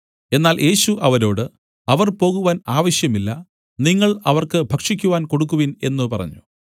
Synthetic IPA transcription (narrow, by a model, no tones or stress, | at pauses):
e̞nːaːljʔe̞ːɕuʔɐʋɐɾo̞ːɽɨ | ɐʋɐrpo̞ːɣuʋaːnaːʋɐɕjɐmilːɐ | niŋːɐɭɐʋɐrkɨbʱɐkʂikʲːuʋaːnko̞ɽuk̬ːuʋine̞̰nːupɐrɐ̰ɲːu̥